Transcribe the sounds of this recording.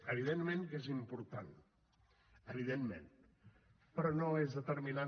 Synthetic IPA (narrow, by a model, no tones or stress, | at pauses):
əβ̞iðenmẽŋkezimpuɾt̪an | əβiðemːḛ̃n | pɾɔnoezðət̪əɾmina